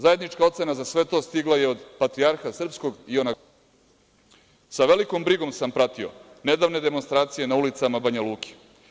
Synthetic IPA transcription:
zaje̞d̪nit͡ʃkao̞t̪se̞nazasʋe̞t̪o̞ːst̪iɡlaje̞o̞d̪pat̪ɾiaɾxasr̩psko̞ɡio̞na | saʋe̞liko̞mbɾiɡo̞msampɾat̪io̰ | ne̞d̪aːʋne̞d̪e̞monst̪ɾaːt̪sije̞naulit̪samabaɲaluːke̥

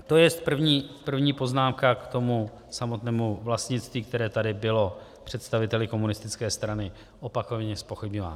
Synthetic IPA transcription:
t̪o̞jɛst̪̚pr̩vɲiːpr̩vɲiːpo̞znaːmkakt̪o̞mu | samo̞t̪nɛːmuvlast̪ɲɪt̪t͡st̪viːk̚t̪ɛɾɛːt̪adɪbɪlo̞ | pr̝̥ɛt̪st̪avɪt̪ɛlɪko̞munɪst̪ɪt͡skɛːst̪ɾanɪ | ʔo̞pakovɲɛspo̞xɪbɲova̰ːn

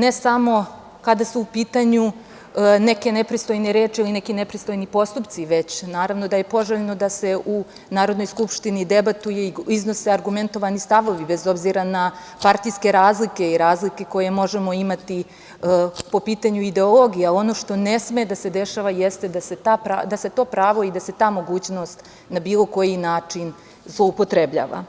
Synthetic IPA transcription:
ne̞samo̞ | kad̪asuːpiːt̪aɲu | ne̞ke̞nepɾist̪ojneɾeːt͡ʃiiline̞kinepɾist̪o̞jnipo̞st̪upt̪siʋe̞t͡ɕnaːɾaʋno̞d̪aje̞po̞ʒeʎeno̞d̪ase̞ʔu | naːɾo̞d̪no̞jskupʃt̪inid̪e̞bat̪uje̞iizno̞seaɾɡument̪o̞ʋanist̪aʋo̞ʋibe̞zo̞bziɾana | paɾt̪ijske̞ɾaːzlike̞iɾaːzlike̞ko̞je̞mo̞ʒe̞mo̞imat̪i | po̞piːt̪aɲuid̪e̞olˠo̞ɡijao̞no̞ʃt̪o̞nesmed̪ase̞d̪e̞ʃaʋajest̪ed̪aset̪apɾa̰d̪ase̞t̪o̞ːpɾaːʋo̞id̪ase̞t̪aːmo̞ɡuːt͡ɕno̞st̪ | nabiːlˠo̞ko̞jinaːt͡ʂin | zlˠo̞upo̞t̪ɾebʎa̰ːʋa̰

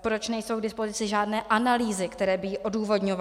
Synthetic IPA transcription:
pɾo̞t͡ʃnɛjsowɡdɪspo̞zɪt͡sɪʒaːdnɛːʔanaliːzɪkt̪ɛɾɛːbɪːʔo̞duːvo̞dɲova

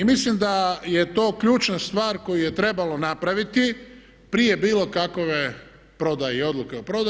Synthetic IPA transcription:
imislimd̪aje̞t̪o̞ːkʎuːt͡ʃnast̪ʋaːɾko̞juje̞t̪ɾe̞balo̞napɾaʋit̪i | pɾije̞biːlo̞kakoʋe | pɾo̞d̪ajeo̞d̪luke̞opɾo̞d̪a

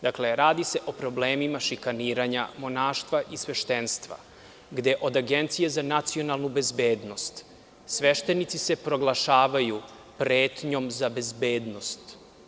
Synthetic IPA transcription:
d̪akle̞ɾaːd̪ise̞ʔo̞pɾo̞bleːmimaʃikaniːɾaɲamonaːʃt̪ʋaʔisʋeʃt̪enst̪ʋa̰ | ɡd̪e̞ʔo̞d̪aɡent̪sije̞zanat̪sio̞nalˠnube̞zbeːd̪no̞st̪ | sʋe̞ʃt̪e̞nit̪sise̞pɾo̞ɡlˠaʃaːʋaju | pɾeːt̪ɲo̞mzabe̞zbeːd̪no̞st̪

